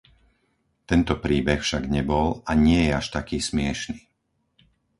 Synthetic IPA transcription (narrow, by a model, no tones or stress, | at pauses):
t̪ɛnt̪ɔpɾiːbɛxfʃaɡɲɛbɔlaɲɪɛjɛaʃt̪akiːsmɪɛʃniː